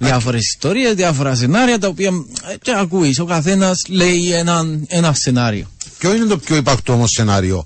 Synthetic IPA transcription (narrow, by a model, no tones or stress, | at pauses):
ðiɐfoɾesi̥st̪oɾiezðiɐfoɾɐs̬e̞nɐɾiɐt̪ɐopiɐceakuiso̞kɐθe̞nɐsle̞jenɐnenɐsːe̞nɐɾḭocoinet̪opçoipɐkt̪oomosːenɐɾio̰